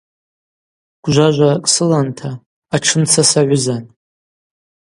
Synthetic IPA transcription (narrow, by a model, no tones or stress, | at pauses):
ɡ̥ʷʒʷaʒʷakʼsɨlantʰaː | ʈ͡ʂʰɨmt͡sʰasaʕʷʊzan